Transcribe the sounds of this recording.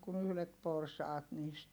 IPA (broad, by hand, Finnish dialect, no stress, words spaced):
kun yhlet porsɑːt niːst